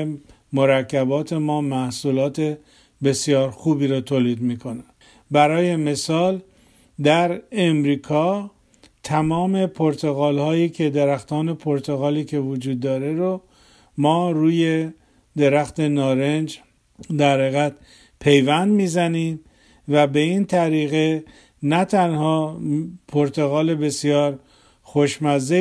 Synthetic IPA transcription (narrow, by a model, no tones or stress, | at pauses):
moɾækʰːæbɒːt̪ʰe̞mɒːmæhsuːlɒːt̪ʰe̞ | be̞sijɒːɾxuːbiːɾɔːt̪ʰoːliːd̪miːkʰo̞ne | bæɾɒːje̞me̞sɒːl | d̪æɾe̞mɾiːkʰɒː | t̪ʰæmɒːme̞pʰoɾt̪ʰo̞ɣɒːlhɒːjiːcʰe̞d̪eɾæxt̪ɒːne̞pʰoɾt̪ʰo̞ɣɒːliːcʰe̞vod͡ʒuːd̪ːɒːɾe̞ɾo | mɒːɾuːje̞ | d̪e̞ɾæxt̪e̞nɒːɾend͡ʒ | d̪æɾheɣæt̪ | pʰe̞jvænd̪miːzæniːm | væbe̞int̪ʰæɾiːɣe | næt̪ʰænhɒːpʰoɾt̪ʰo̞ɣɒːle̞be̞sijɒːɾ | xoʃmæze